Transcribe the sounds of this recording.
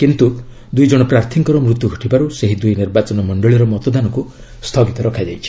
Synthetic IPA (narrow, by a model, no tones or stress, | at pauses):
kint̪u | d̪ujd͡ʒɔɽ̃ɔpɾaɾt̪ʰiŋkɔɾɔmɾut̪juɡʱɔʈʰibaɾuseɦid̪ujniɾbat͡ʃɔnɔmɔɳɖɔɭiɾɔmɔt̪ɔd̪anɔku | st̪ʰɔɡit̪ɔɾɔkʰad͡ʒajt͡ʃʰi̥